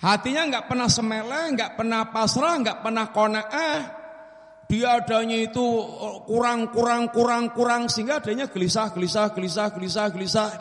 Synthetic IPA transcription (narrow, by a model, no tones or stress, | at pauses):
hat̪iɲaŋɡaʔpərnahsəmelɛhŋɡaʔpərnahpasɾahŋɡaʔpərnahkonaʔah | ɖ̥iaɖ̥a̤ɲait̪ukuɾaŋkuɾaŋkuɾaŋkuɾaŋsiŋɡad̥a̤ɲaɡ̥əlisahɡ̥əlisahɡ̥əlisahɡ̥əlis̬ahɡ̥əlisah